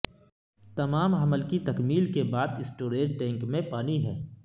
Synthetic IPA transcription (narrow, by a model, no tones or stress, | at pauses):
t̪ɐmaːmɐməlkit̪ɐkmiːlkebaːd̪ɪsʈoːɾeːd͡ʒʈɛ̃ːŋkmẽpaːniɦɛː